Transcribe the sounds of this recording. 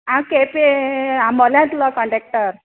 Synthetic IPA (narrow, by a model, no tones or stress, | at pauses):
ãkepeãmɔljãt̪ulakɔɳɖek̚ʈəɾ